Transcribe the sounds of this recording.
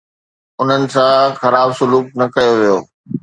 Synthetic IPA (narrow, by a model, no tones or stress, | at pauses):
ʊn̤ənɪ̆sãxɐɾaːbsʊluːk̚nɐkɐjoʋijoː